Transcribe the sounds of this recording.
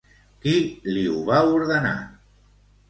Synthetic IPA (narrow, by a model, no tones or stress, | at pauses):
kiliuβauɾðəna̰